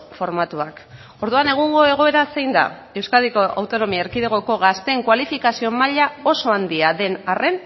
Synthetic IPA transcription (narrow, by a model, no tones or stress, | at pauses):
fo̞ɾmat̪uak | o̞ɾðuane̞ɣ̞uŋɡo̞e̞ɣo̞e̞ɾase̞jnd̪a̰e̞wskaðiko̞ʔa̰wt̪o̞no̞miaeɾkiðeɣ̞o̞ko̞ɣast̪e̞ŋkwalifikasio̞maʎao̞so̞and̪iaðe̞nare̞n